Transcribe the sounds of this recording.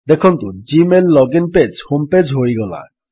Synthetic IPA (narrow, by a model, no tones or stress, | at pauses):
d̪ɛkʰɔnt̪ud͡ʒimelːɔɡinped͡ʒhumped͡ʒɦoɾiɡɔla̰